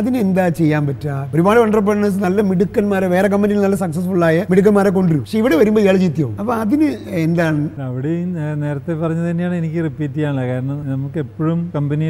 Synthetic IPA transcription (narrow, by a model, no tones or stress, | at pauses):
ɐðinɨend̪aːt͡ɕe̞jːaːnpɐtːaːpoɾubaːɭiʋɐɳɖrɐp̬ːeɽɐɳːɐnɐlːɐmiɽukːɐnmaːɾeʋeːrek̬ɐmbenijilnɐlːɐsɐksɐs̬fuɭːaːjɐmiɽuk̬ːɐnmaːɾeko̞ɳɖiɾupɐʂeiʋiɽeʋɐɾumboːijaːɭt͡ɕit̪ːijɐʋṵmɐpːɐɐðinɨend̪aːɳɐʋiɽene̞ːɾɐt̪ːe̞pɐrɐɲːɐt̪ɐnːejaːɳenikʲːɨripːiːtːijaːɳɐkaːɾɐɳɐmnɐmukːɨepːoɻumkɐmbɐni